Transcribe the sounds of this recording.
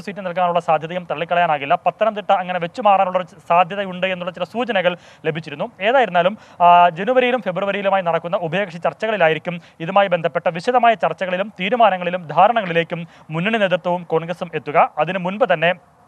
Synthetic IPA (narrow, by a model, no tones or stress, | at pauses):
sʋiːtːɨnɐlkaːnuɭːɐsaːd̪ʱjɐðɐjumt̪ɐɭːikʲːɐɭɐjaːnaːɣilːɐpɐt̪ːɐnɐmt̪iʈːɨɐŋːɐne̞ʋe̞t͡ɕːumaːraːnuɭːɐsaːd̪ʱjɐðɐjuɳɖɨenːuɭːɐt͡ɕilɐsuːt͡ɕɐnɐɣɐɭ | le̞bʱit͡ɕːiɾunːue̞ːðaːjiɾunːaːlum | d͡ʑe̞nuʋɐɾijilumfe̞bruʋɐɾijilumaːjinɐɽɐkːunːɐubʱɐjeːkʂit͡ɕɐrt͡ɕːɐɣɐɭilaːjiɾikʲːum | iðumaːjibend̪ʱɐpːe̞ʈːɐʋiɕɐðɐmaːjɐt͡ɕɐrt͡ɕːɐɣɐɭilumt̪iːɾumaːnɐŋːɐɭilumd̪ʱaːɾɐɳɐŋɐɭile̞ːkʲːumː | unːɐɳineːt̪rt̪wɐʋumko̞ːɳɡrɐsume̞t̪ːuɣɐɐðinɨmunbɨt̪ɐnːe̞